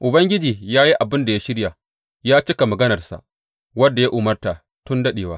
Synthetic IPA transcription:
ʔʊ˨bɐ˦ŋɡʲɪ˦d͡ʒiː˨jaː˦ji˦ʔa˨bɪ˦nda˨ja˦ʃɪ˦ɽja˨ | jaː˦t͡ʃɪ˦ka˨mɐ˨ɡɐ˦nɐ˨rsa̰˨ʔ | wɐ˦dːa˨ja˦ʔʊ˨mɐ˦rta˨ | tʊ˦ndɐ˦ɗeː˨waː˦

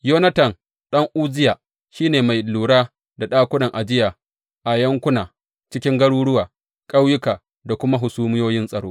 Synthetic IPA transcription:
joː˦nɐ˦tɐ˨n | ɗɐ˦ŋʔuː˦d͡ʒɪ˦ja˨ | ʃiː˦neː˨ma˨jluː˨ɽaː˦ | da˨ɗaː˦kʷʊ˦nɐ˨ŋʔa˨d͡ʒɪ˦jaː˨ | ʔa˨jɐ˦ŋkʷʊ˦naː˨ | t͡ʃɪ˦kʲɪ˦ŋɡɐ˦ɽuː˦ɽʊ˦waː˨ | kʼa˦wjʊ˦kaː˨ | da˨kʷʊ˦ma˦ɦʊ˨suː˦mɪ˦joː˦jɪ˦nsʼɐ˨ɽo̰ː˦

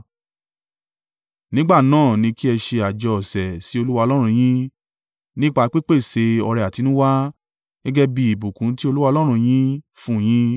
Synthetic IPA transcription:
nĩ˦ɡ͡ba˦˨nãː˦˨nĩ˧ki˦ɛ˧ʃe˧a˨d͡ʒɔ˨˧ɔ˨sɛ˨si˨˦o˧lu˦wa˧ɔ˧lɔ˦ɾ̃ũ˧j̃ĩ˦ | nĩ˦k͡pa˧k͡pi˦k͡pe˦˨se˧ɔ˧ɾɛ˧˨a˨ti˨˧˦nũ˦wa˦ | ɡ̥ɛ˦ɡɛ˦bi˧i˨bu˨kũ˨˦ti˦o˧lu˦wa˧lɔ˦ɾ̃ũ˧j̃ĩ˦ | fũ˦˨j̃ĩ˦

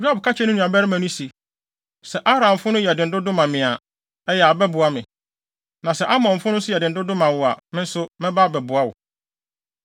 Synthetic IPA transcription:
ju˦a˦bkʰa˦t͡ɕʰɛ˦nʊ̃˦nũ˨a˨bɛ˦ɾɪ˦mã˨nʊ̃˦si˨ | sɛ˨ʔa˦bɾã˨m˨fʊ˦nʊ̃˦jɛ˨dɪ˨n̩˨dʊ˦dʊ̃˦mã˨mɪ̃˨a˨ | ɛ˦jɛ˨a˨bɛ˦bʊ˨a˦mɪ̃˨ | nã˨sɛ˨˦ʔa˦mɔ̃˨m̩˨fʊ̃˦nʊ̃˦sʊ˦jɛ˨dɪ˨n̩˨dʊ˦dʊ̃˦mã˨wʊ˨a˨mɪ̃˦n̩˦sʊ˦mɛ̃˦baː˦˨bɛ˨bʊ˨a˦wʊ̰˨

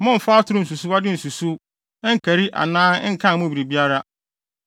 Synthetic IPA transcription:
mʊ̃˦m̩˨fa˦tʰʊ˦ɾʊ˦n̩˨s̬u˨su˦a˦dɪ˦n̩˨su˨su˦ | ɛ˦ŋ̩˦˨kʰæ˨ɾi˦ʔa̰˨nãː˦ɛ˦ŋ̩˦kʰã˦˨mʊ̃˦bi˨ɾi˨bi˦a˦ɾa˦

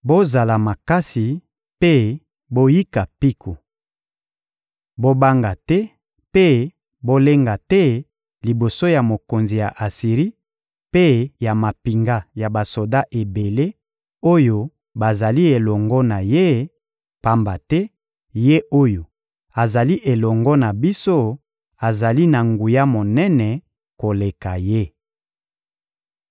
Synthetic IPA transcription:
bo˦za˨la˨ma˨ka˦si˨ | pe˦ | bo˦ji˦ka˨pi˦kʰo˨ | bo˦ba˦ŋɡa˨tɛ˦ | pe˦ | bo˦le˦ŋɡa˨tɛ˦ | li˨bo˨so˦ja˨mo˨ko˨nzi˨ja˨ʔa˨si˨ʁi˦ | pe˦ja˨ma˨pi˨ŋɡa˦ja˨ba˨so˨da˦ʔe˨be˨le˦ | o˦jo˦ | ba˨za˨li˦e˨lɔ˨ŋɡɔ˦na˨je˦ | pa˦mba˨tɛ˦ | je˦o˦jo˨ | a˨za˨li˦ʔe˨lɔ˨ŋɡɔ˦na˨bi˦so˦ | a˨za˨li˦na˨ŋɡu˨ja˦mo˨nɛ˦nɛ˨ | ko˨le˨ka˨je˦

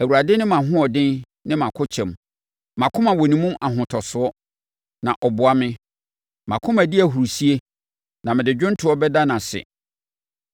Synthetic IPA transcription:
æ˨wu˨ɾa˨dɪ˦nɪ̃˦mã˨ɦʊ̃˦ɔ˨dɪ̃˦n | nɪ̃˦mã˨kʰʊ˦t͡ɕʰɛ̃˨m | mã˨kʰʊ̃˦mã˨wɔ˨nĩ˦mũ˦ʔa˨ɦʊ̃˨tʰɔ˨sʊ˨ɔ˦ | nã˨ʔɔ˨bʊ˨a˨mɪ̃˦ | mã˨kʰʊ̃˦mæ̃˨dɪ˦æ˨ɦu˨ɾu˨si˦e˦ | nã˨mɪ̃˨dɪ˨d͡ʑᶣʊ̃˦n˦tʰʊ˨ɔ˦bɛ˦da˦nã˨sɪ̰˨

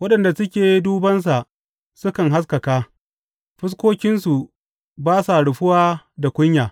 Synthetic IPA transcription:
wɐ˦ɗɐ˨nda˨sʊ˦kʲeː˨jduː˦bɐ˦ns̬a˨ʔ | sʊ˦kɐ˨ŋɦa˦s̬kɐ˨kaː˦ | ɸɪ˦s̬kʷoː˦kʲɪ˦nsu˨ | baː˦sa˨ɽʊ˨ɸʊ˦waː˦da˨kʷʊ˦ɲjaː˨

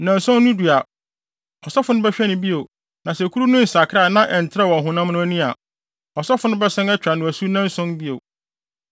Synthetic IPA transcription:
nã˨nsɔ̃˦nː˦ʊ̃˦du˨a˨ | ɔ˨sɔ˦fʊ˨nʊ̃˦bɛ˦ɕᶣɛ˦nʊ̃˨bi˦o˨ | nã˨sɛ˨kʰu˦ɾu˦nʊ̃˦n̩˨sa˨kʰɾa˦˨nã˦ʔɛ˨n˨tʰɾa˦˨wɔ̃˨ɦʊ̃˦nã˦mnʊ̃˦æ˦nĩ˦a˨ | ɔ˨sɔ˦fʊ˨nʊ̃˦bɛ˦sɛ̃˦nɛ˦t͡ɕᶣa˨nʊ̃˨æ˨su˦nã˦nsɔ̃˦nbi˦o˨

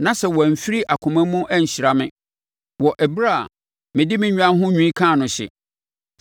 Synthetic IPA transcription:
nã˨sɛ˨wɔ˨fi˦ɾi˦ʔa˨kʰʊ̃˨mæ̃˦mʊ̃˦ʔæ˦ɲ̩˨ɕi˨ɾa˨mɪ̃˦˨ | wɔ˨ʔɛ˨bɾa˦˨ | mɪ̃˨dɪ˦mɪ̃˨ɲᶣ˦ã˦ɦʊ̃˦ɲᶣũ˦ĩ˦kʰãː˦˨nʊ̃˨ɕɪ̰˨

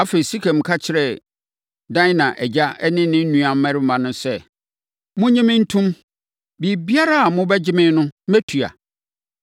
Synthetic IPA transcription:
a˦fe˨i˨si˦kʰɛ̃˨m̩˨kʰa˦t͡ɕʰɪ˨ɾɛ˨ | dã˦ɪ˦nã˨ʔɛ˨d͡ʑa˦ɛ˦nɪ̃˦nɪ̃˦n̩˦nũ˦ã˨m̩˦mɛ̃˦ɾɪ˦m̩˦mã˨nʊ̃˦sɛ˦ | mʊ̃˦ɲɪ̃˦mɪ̃˦n̩˦tʰũ˦m | bi˨bi˦a˦ɾa˦a˨mʊ̃˦bɛ˦d͡ʑɪ˦mɪ̃˦nʊ̃˦mæ˦tʰu˨a̰˨

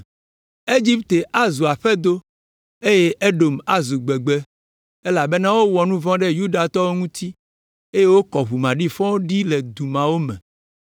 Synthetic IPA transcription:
e˦d͡ʒi˦pt̪e˨ʔa˦zu˨a˨ɸɛ˦d̪o˦ | e˦je˦ʔe˦ɖo˨ma˦zu˨ɡ͡be˨ɡ͡be˦ | e˦la˨be˦nã˦wo˦wɔ˨nũ˦vɔ̃˦ɖe˦ju˦ɖa˨t̪ɔ˦wo˦ŋũ˦t̪i˦ | e˦je˦wo˦kɔ˨ɦu˨mã˨ɖi˦fɔ̃˦wo˦ɖi˦le˨d̪u˨mã˨wo˦mɛ̰̃˨

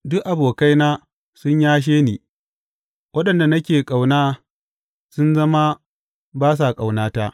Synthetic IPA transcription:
dʊ˦ʔʔa˨boː˨ka˦jnaː˦ | sʊ˦ɲjaː˦ʃ̬eː˦niː˨ | wʔɐ˦ɗɐ˨nda˨nɐ˦kʲeː˨kʼa˨wnaː˦ | sʊ˦nzɐ˦ma˦ | baː˦s̬a˨kʼa˨wnaː˦ta˦ʔ

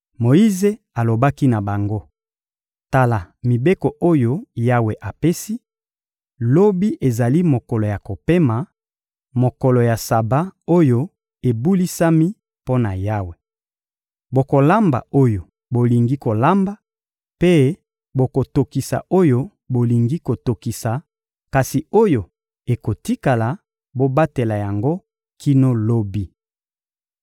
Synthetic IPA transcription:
mo˨ji˦ze˦ | a˨lo˨ba˦ki˦na˨ba˨ŋɡo˦ | ta˨la˨mi˨be˦ko˨ʔo˦jo˦ja˦we˨ʔa˨pe˦si˦ | lo˦bi˦ʔe˨za˨li˦mo˨kɔ˨lo˨ja˨ko˨pe˦ma˨ | mo˨kɔ˨lo˨ja˨sa˨ba˦o˦jo˦ | e˨bu˦li˦sa˦mi˦ | po˦na˨ja˦we˨ | bo˨ko˨la˦mba̰˨o˦jo˨ | bo˨li˨ŋɡi˦ko˨la˦mba˦ | pe˦ | bo˨ko˨to˨ki˨sa̰˨ʔo˦jo˦ | bo˨li˨ŋɡi˦ko˨to˨ki˨sa˨ | ka˨si˨o˦jo˨ | e˨ko˨ti˦ka˨la˨ | bo˦ba˦te˨la˨ja˨ŋɡo˦ | kʰi˦no˦lo˦bi˦

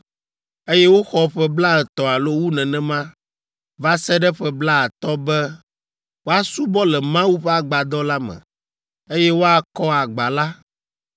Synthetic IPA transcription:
e˦jɛ˦wo˦xɔ˦ɸɛ˦bla˦lɛ˨t̪ɔ˨a˨lo˦wu˦nɛ̃˨nɛ̃˦mã˦ | va˦sɛ˦ɖɛ˦ɸɛ˦bla˦a˨t̪ɔ˦bɛ˦ | wo˦a˦su˦bɔ˦lɛ˨mã˦wu˦ɸɛ˦a˦ɡ͡ba˨d̪ɔ˦la˦mɛ̰̃˨ | e˦jɛ˦wo˦a˦kɔ˦a˨ɡ͡ba˨la˦

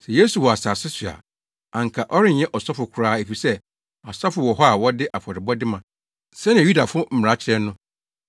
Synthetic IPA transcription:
sɛ˨je˦su˨wɔ˨a˨saː˨sɪ˦sɥa̰˨ | ã˨ŋ̩˨kʰa˨ʔɔ˦ɾɪ˦ɲ̩˦ɲɛ̃˦ʔɔ˨sɔ˦fʊ˨kʰʊ˨˦ɾaː˦e˨fi˨sɛ˦ | a˨sɔ˦fʊ˨wɔ˨ɦɔ˦a˨wɔ˦dɪ˦ʔa˨fɔ˨ɾɪ˨bɔ˦dɪ˦mã˨ | sɛ˦ñ˦˨ju˦da˨fʊ˦ʊ˦m̩˨m˨a˨˦t͡ɕʰɾɛ˦nʊ̃˦

